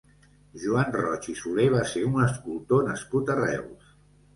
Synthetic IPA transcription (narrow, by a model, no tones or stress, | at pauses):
ʒuanrɔt͡ʃisuleβ̞aseunəskulˠt̪onəskut̪ərɛ̰ws